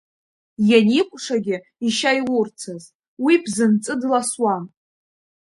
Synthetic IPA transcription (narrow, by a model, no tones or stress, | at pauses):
janikʷʼʂaɡʲɪ | iʃajwurt͡sʰaz | wibʰzɨnt͡sʼɨdlaswan